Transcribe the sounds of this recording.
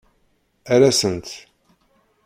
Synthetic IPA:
æɾæsənt̪

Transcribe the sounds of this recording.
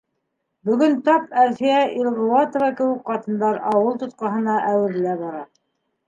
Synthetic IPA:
bɵ̆ɡɵnt̪ɑpæɾθiæʔilˠʁuwɑt̪ŏvɑkɘ̆wɘkqɑt̪ɤ̆nd̪ɑɾɑwɤlˠt̪ŏt̪̚qɑɦɤ̆nɑʔæwɘ̆ɾlæβɑɾɑ

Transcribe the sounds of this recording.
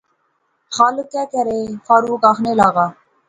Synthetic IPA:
xaːlək̪ɛːkəɾeːfaːɾuːkaːxneːlaːɣaː

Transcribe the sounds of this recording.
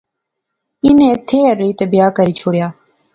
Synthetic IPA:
ɪnẽːt̪ʰeːəɾiːt̪əbɪjaːkəɾiːt͡ʃʰoːɽjaː

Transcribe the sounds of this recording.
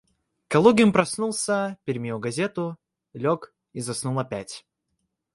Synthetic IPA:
kɐlˠuɡʲɪmpɾɐsnulˠsʲəpʲɪɾʲmʲejuɡɐzʲe̞t̪ʊ | lʲok | izɐsnulˠɐpʲætʲ

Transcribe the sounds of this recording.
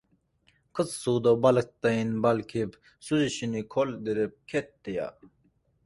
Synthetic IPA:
kʰət͡sːuːd̪obɐlk̚t̪ɐinbɐlkʰib | suziɕinikʰold̪iɾep̚kʰet̪ːija̰

